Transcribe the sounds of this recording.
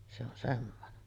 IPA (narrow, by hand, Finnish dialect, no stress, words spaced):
se on semːonen